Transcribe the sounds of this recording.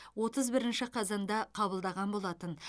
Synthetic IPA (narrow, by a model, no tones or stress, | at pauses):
wo̞t̪əzbɪɾɪnʃɪqʰɑzɑnd̪ɑqʰɑbəlˠd̪ɑʁɑnbo̞lˠɑt̪ən